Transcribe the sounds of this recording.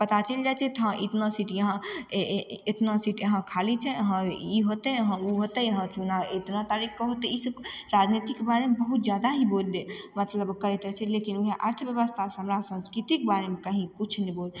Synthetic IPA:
pət̪at͡ʃəld͡ʒat͡ʃʰɛt̪ʰãʔḭt̪nasiʈʰjəɦã | et̪nasiʈʰjəɦãkʰalit͡ʃʰɛɦãiɦot̪ɛɦãuɦot̪ɛjəɦãt͡ʃunaet̪nãt̪aɾikkɔɦot̪ɛisəbɾad͡ʒnit̪ikːebaɾemebəɦut̪̚d͡ʒjad̪aɦibold̪emət̪ləbkəɾɛt̪ət͡ʃʰɛlekinuɦeʔəɾt̪ʰəbjəʋəst̪ʰasəmɾasə̃nskɾit̪ikbaɾemekəɦĩkut͡ʃʰnibol

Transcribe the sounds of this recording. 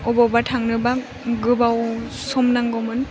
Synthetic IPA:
ɔbawbatʰaŋnɯba | ɡɯbawsɔmnaŋɡɔmɯn

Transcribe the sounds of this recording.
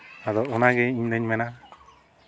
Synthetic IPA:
ad̪ɔɔnaɡɛiɲd̪ɛɲmɛna

